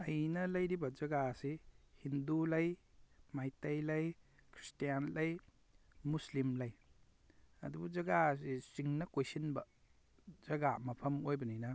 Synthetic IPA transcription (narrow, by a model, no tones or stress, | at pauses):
ɐjnɐlɐjɾibɐd͡ʒɐɡasehindulɐjmajtajlɐjkʰɾi̥stijanlɐj | muslimlɐj | ɐ̰dubuzɐɡasesiŋnɐkojsinbɐ | z̥ɐɡamɐpʰɐmojbɐnijnɐ